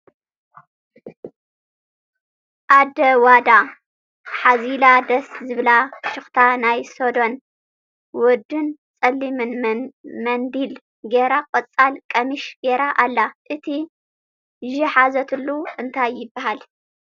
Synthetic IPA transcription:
ʔad̪ɐwad̪a | ħazilad̪ɐszɨβlaʃɨxt̪ʰanajsod̪o̞n | wɔd̪ːɨnt͡sʼɐlːimɨnmɐnd̪il | ɡeɾakʼɔt͡sʼːalkʼɐmɨʃɡeɾaʔalːaʔɨt̪ʰi | ʒiħazɐt̪ʰɨlːuʔɨnt̪ʰajːɪbːahal

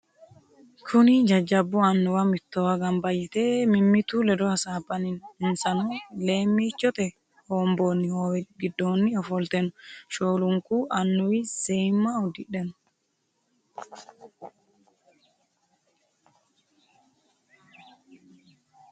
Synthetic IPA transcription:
kʰʊnid͡ʒɐd͡ʒːɐbːʊɐnːɔwɐmɪt̪ːɔwɐɡɐmbɐjɪt̪emɪmːɪt̪ulɛd̪ɔhɐsaːbɐnɪnɪnsɐnɔleːmːiːt͡ʃːɔt̪ɛ | hoːmboːnːɪhoːwɛɡɪd̪ːoːnːɪɔfɔlt̪ɛnʃoːlʊŋkuʔɐnːɔwisɛjmːaʊd̪ɪᶑɛnʊ

